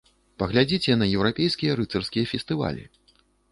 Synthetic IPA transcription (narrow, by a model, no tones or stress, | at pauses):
pɐɣlʲad͡zʲit͡sʲɛnɐjɛwɾapʲejskʲijɐɾɨt̪sɐrskʲijɐfʲɛst̪ɨva̰lʲḭ